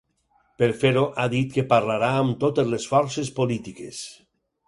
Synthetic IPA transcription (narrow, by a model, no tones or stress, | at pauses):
peɾfeɾoʔaðit̪kepaɾlaɾaːmt̪ot̪ezlesfɔɾsespolit̪ikes